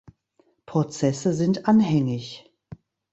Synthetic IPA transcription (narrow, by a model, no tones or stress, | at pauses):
pʁ̥ot͡sɛsəzɪntʔanhɛŋɪç